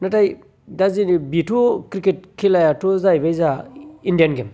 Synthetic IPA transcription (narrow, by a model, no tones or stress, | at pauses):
nataj | dazinbitʰukɾiket̚kʰilajatuzajbajzaindijanɡem